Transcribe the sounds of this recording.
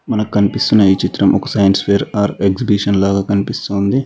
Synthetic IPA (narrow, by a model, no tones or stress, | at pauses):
mɐnɐkkɐnipist̪unːɐit͡ʃit̪ɾɐmʔɔkɐsɐjɐnspʰeːɾaːɾeksibiʂɐnlaːɡaːkɐnipist̪oːnd̪i